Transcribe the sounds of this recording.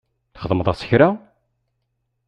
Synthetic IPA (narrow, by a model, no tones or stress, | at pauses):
θχəðˤməðˤɑsə̥çɾa